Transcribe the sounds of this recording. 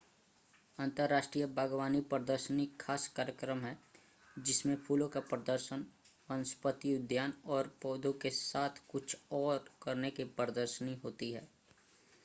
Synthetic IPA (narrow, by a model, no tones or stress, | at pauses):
ɐ̃nt̪əɾːaːʃʈɾijəbʱaːɡʋaːnipɾəd̪əɾʃənikʰːaːskaːɾjəkɾəmɦɛ | d͡ʒɪsmẽpʰuːlõkapɾəd̪əɾʃən | ə̃nspət̪iʊd̪jaːnɔːɾpɔːd̪ʱõkesaːt̪ʰkʊt͡ʃʰɔːɾkɐɾnekepɾəd̪əɾʃəniɦoːt̪iɦɛː